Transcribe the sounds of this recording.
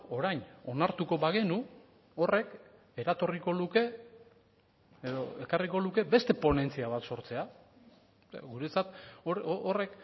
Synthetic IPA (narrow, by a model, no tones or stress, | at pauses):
o̞ɾajno̞naɾt̪uko̞βaɣ̞e̞nu | o̞re̞k | e̞ɾat̪o̞riko̞luke̞ | eðoe̞kariko̞luke̞be̞st̪e̞po̞ne̞nt͡siaβat̪so̞ɾt͡se̞a | ɣuɾe̞t͡sat̪oore̞k